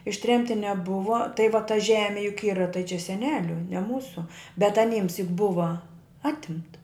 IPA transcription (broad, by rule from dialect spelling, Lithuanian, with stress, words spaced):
ɪʃʲˈtʲrʲɛmʲtʲɪ nʲɛˈbʊʋɐ tɐɪ ʋɐ tɐ ˈʒʲæːmʲɪ jʊk ˈiːrɐ tɐɪ t͡ʃʲɛ sʲɛˈnʲæːlʲʊ nʲɛ ˈmuːsʊ bʲɛt ɐˈnʲiːms jʊk ˈbʊʋɐ ˈɑːtʲɪmtɐ